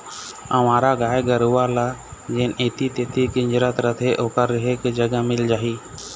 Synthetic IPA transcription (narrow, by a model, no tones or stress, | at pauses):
əʋãːɾaːɡaːjɡəɾuːaːlaːd͡ʒeːneːt̪iːt̪eːt̪ʰiːkɪɲd͡ʒɾət̪ɾət̪ʰeːʔoːkəɾɪɦeːkd͡ʒəɡəmɪld͡ʒaːɦiː